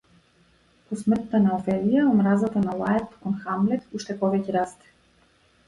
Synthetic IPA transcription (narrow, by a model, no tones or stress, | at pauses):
pɔsmr̩t̪ːanaɔfɛlijaomɾazat̪analˠaɛt̪kɔnxamlɛt̪uʃt̪ɛpɔvɛcɛɾast̪ɛ̥